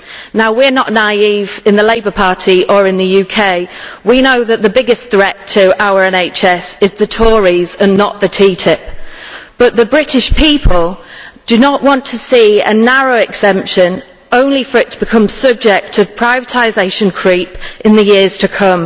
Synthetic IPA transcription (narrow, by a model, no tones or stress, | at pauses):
naʊwɪənəʔnaɪiːvɪ̃nðəleɪbəpʰɑˑtʰiʔəɹɪ̃nðəjʉːkʰeɪwinoʊðəʔðəbɪɡɪsθɹɛtʰəaʊəɹɛ̃neɪt͡ʃɛsɪzðətʰɔːɹizə̃nːəʔðətʰiːtʰɪp̚b̥ʌʔðəbɹɪtɪʃpʰiˑpʰəlˠd̥ənəʔwɒ̃ntʰəsiːə̰naɹoʊɛɡz̥ɛ̃mpʃə̃n | õʊ̃nlifəɹɪtʰəb̥ɪkʰʌ̃msʌb̚d͡ʒɛk̚tʰə̥pʰɹ̥aɪvətʰaɪzeɪʃə̃nkʰɹ̥iˑpɪ̃nðəjɪəz̥tʰəkʰʊ̃m